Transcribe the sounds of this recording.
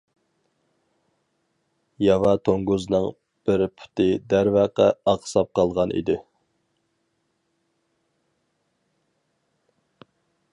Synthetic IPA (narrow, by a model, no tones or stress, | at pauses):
jɑvɑt̪ʰoŋɡuznɨŋ | b̥ɪɾpʰy̥t̪ɪd̪æɾvæqɑɑqsɑp̚qʰɑlˠʁɑnʔḭd̪ɪ